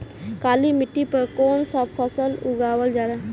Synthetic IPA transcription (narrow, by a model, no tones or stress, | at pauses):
kaːlimɪʈːipəɾkoːnsəbpʰəsəlʊɡaːwəld͡ʒaːɾaː